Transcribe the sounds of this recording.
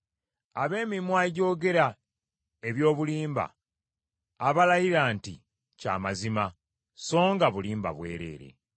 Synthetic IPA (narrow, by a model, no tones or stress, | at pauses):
aβe̞ːmimwaɟo̞ːɡe̞ɾa | e̞βjo̞ːβuliːmba̰ | βalajiɾaːnti | ca̰ːmazima | so̞ːŋɡaβuliːmba̰βwe̞̰ːɾe̞̰ːɾe̞̰